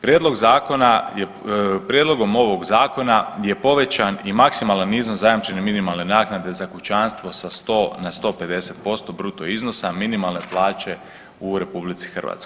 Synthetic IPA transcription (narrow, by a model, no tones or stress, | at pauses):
pɾʲjed̪lo̞ɡzaːko̞naje | pɾjed̪lˠo̞ɡo̞mo̞ʋo̞ɡzaːko̞naje̞po̞ʋe̞t͡ɕanimaksimalˠanːiːznozajamt͡ʃeneminimalˠne̞naːknad̪e̞zakut͡ʃanst̪ʋo̞sast̪o̞ːnast̪o̞ːpe̞d̪e̞se̞t̪̚po̞st̪o̞bɾut̪oizno̞saminimalˠne̞plˠaːt͡ʃe̞ | uɾe̞publit̪si̥xr̩ʋa̰t̪sko